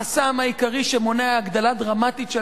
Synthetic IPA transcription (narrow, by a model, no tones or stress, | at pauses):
asamaikaʁiʃemo̞neaːɡd̪alad̪ʁamat̪it̪ʃe